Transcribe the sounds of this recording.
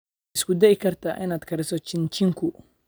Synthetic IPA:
ɪskʊd̪ɛʔɪkʰɐrt̪ʰa̰ːʔɪnaːd̪̥kʰɐɾɛsɔt͡ʃɪnt͡ʃɪŋkʰʊ

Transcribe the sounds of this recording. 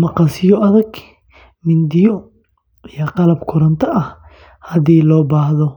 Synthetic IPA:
mɐqɑsɪjɔʔɐðɐɡ | mɪnd̪ɪjɔ | ijɐqɑlɐbkʰʊɾɐnt̪ʰɐʔɐh | hɐðiːlɔːbaːhðɔ

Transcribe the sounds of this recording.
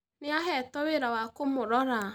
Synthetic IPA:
nɪaɦɛtɔweɾawakomʊɾɔɾa

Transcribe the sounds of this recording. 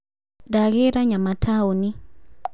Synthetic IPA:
daɣɛɾaɲamatʰaoni

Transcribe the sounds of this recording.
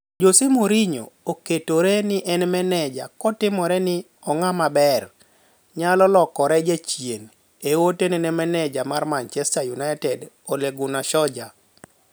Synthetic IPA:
d͡ʒosemoɾiɲo̰oketoɾenɪʔɛnmɛnɛd͡ʒakɔtɪmɔɾɛnɪ | ɔŋamabɛr | ɲalɔlɔkɔɾɛd͡ʒet͡ʃjen | ewotenɛnɛmɛnɛd͡ʒamarmaɲt͡ʃɛstajunatɛd | oleɡʊnaʃɔd͡ʒa

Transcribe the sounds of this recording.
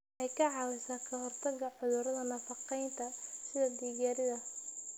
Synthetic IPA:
ʔɛjkʰɐʕɑːwɛsaːkʰɐhɔrt̪ʰɐɣɐʕʊðʊɾɐðɐnɐfɑqɛjnt̪ʰɐsɪðɐd̪iːɣaːɾɪðɐ

